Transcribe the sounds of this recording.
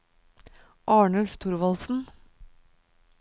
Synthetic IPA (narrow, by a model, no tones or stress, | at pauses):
ʔɑːɳʉlft̪ʰʊɾʋɑlsn̩